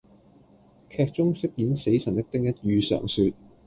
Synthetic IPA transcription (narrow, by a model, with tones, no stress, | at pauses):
kʰɛː˧k̚t͡sʊ˥ŋsɪ˥k̚jiː˨˥nse˨˥jsɐ˨˩nt̪ɪ˥k̚t̪ɪ˥ŋjɐ˥t̚jyː˧sœ̰ː˨˩ŋsyː˧t̚